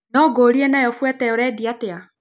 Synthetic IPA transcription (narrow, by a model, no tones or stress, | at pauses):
nɔɡoːɾiɛnajɔfwɛtɛjɔɾɛːdiatea